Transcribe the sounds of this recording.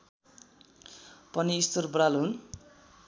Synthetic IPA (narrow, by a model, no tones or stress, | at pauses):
pʌniːst̪orbralɦun